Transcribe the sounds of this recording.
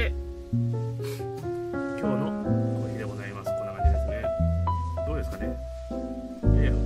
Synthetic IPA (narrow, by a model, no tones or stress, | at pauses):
e | kʲʰo̞ːnookʲid̪e̞ɡo̞zaimasɨ̥konakaɾʲed̪esɨne | d̪̥o̞ːd̪e̞sɨ̥kane | e